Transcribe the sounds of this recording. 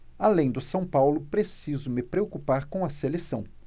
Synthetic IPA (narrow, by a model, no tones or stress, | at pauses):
alẽj̃d̪ʊsɐ̃w̃pawlʊpɾesizʊmɪpɾeokupaɾkõɐselesɐ̃w̃